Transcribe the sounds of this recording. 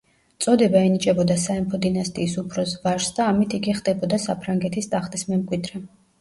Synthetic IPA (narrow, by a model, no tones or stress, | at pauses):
t̪sʼɔd̪ɛbaɛnit͡ʃʼɛbɔd̪asaɛmpʰɔd̪inast̪ʼiːsupʰɾɔsvaɾsd̪aːmit̪ʰiɡiχd̪ɛbɔd̪asapʰɾaŋɡɛt̪ʰist̪ʼaχt̪ʼismɛmkʼwid̪ɾɛ